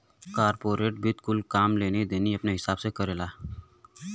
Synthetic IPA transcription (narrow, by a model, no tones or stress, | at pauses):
kaːɾpoːɾeːʈ̚bɪt̪kʊlkaːmleːned̪eːniɐpneɦɪsaːb̥sekɐɾeːlaː